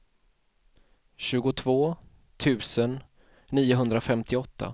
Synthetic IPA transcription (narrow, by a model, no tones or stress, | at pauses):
ɕʉ̟ːɡʊt̪ʰvoː | t̪ʰʉ̟ːsənː | iːʊɦɵnd̪ɾafɛmt̪ʰɪɔt̪ʰːa̰